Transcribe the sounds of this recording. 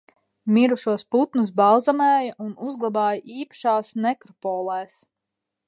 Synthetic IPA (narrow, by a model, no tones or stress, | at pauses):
miɾuʃuɔsput̪nus̬baw̪zamɛːjɐʔunuzɡlˠabaːjɐʔiːpḁʃaːsnɛkɾɔpɔːlˠɛːs